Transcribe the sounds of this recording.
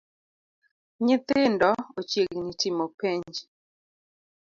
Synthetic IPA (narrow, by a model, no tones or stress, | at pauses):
ɲɪt̪ɪndɔot͡ʃjeɡnitɪmopeɲd͡ʒ